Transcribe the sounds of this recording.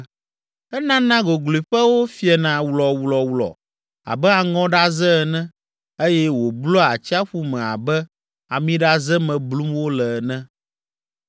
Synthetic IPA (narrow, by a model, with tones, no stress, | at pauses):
ɛ˦nã˦nã˦ɡo˨ɡlu˨i˨ɸɛ˦wo˦fi˦ɛ˨nã˨wlɔ˨wlɔ˨wlɔ̰˨ | a̰˨bɛ˦a˨ŋɔ̃˦ɖa˦zɛ˦˨nɛ̃˦ | e˦jɛ˦wo˨blɔ˦a˨t͡ɕi˦a˦ɸu˦mɛ̃˨a̰˨bɛ˦ | a˨mĩ˦ɖa˦zɛ˦mɛ̃˨blu˦mwo˦lɛ˨nɛ̃˦